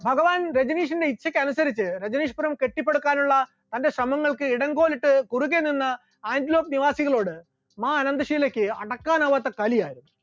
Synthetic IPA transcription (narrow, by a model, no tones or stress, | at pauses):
bʱɐɡɐʋaːnɾed͡ʑɐniːʂ̬ɐnde̞it͡ɕʰːɐkʲːɨɐnusɐɾit͡ɕːɨɾe̞d͡ʑɐniːʂpɐɾɐmke̞ʈːipːe̞ɽukːaːnuɭːɐ | t̪ɐnde̞ɕrɐmɐŋːɐɭkɨiɽɐŋɡo̞ːliʈːɨkuruɣeninːɐ | aːndilo̞ːp̚niʋaːsiɣɐɭo̞ːɽɨ | maːɐnɐnd̪ɐʂiːlɐkʲːɨɐ̰ɽɐkːaːnɐʋɐt̪ːɐkɐlijaːjiɾunːu